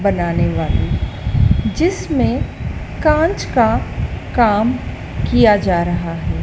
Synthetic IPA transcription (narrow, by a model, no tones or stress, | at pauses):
bɐnaːneʋaːli | d͡ʒɪsmẽ | kãːnt͡ʃkakaːm | kijad͡ʒaːɾɐɦaɦɛː